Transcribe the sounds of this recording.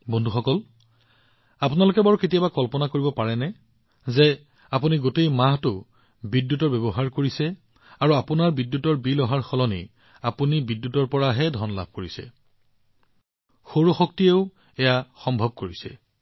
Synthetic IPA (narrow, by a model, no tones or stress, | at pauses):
bɔndʱuxɔkɔl | apunalʊkɛbɔɹketijabakɔlpɔnakoɹibɔpaɹɛnɛ | zɛ | apuniɡotejmaɦtʊ | bidjutɔɹbɛbɔɦaɹkoɹisɛ | aɹuapunaɹbidjutɔɹbilɔɦaɹxɔlɔnḭ | apunibidːjutɔɹpɔɹaɦɛdʱɔnla̰bʱkoɹisɛ̰ | xoɹoxɔk̚tieʊ | ɛjaxɔmbʱɔb̚koɹisɛ̰